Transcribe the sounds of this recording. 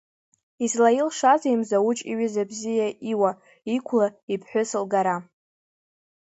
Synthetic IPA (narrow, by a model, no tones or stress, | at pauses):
izlailʂazaimzawut͡ʃʼḭɥʏzabzijaʔiwa | ikʷʰlaipʰħʷᶣʊsɨlɡaɾa